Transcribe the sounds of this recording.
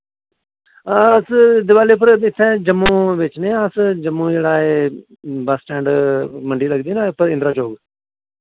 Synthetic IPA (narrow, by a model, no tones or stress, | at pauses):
asd̪ɪʋaːleːp̬ːəɾɪt̪ʰːɛːd͡ʒəmːũːʋɪt͡ʃnẽːəsd͡ʒəmːũːd͡ʒeːɽaːeː | basʈɛ̃ːɳɖməɳɖiːləɡd̪iːnãːpəɾɪnd̪ɾaːd͡ʒoːɡ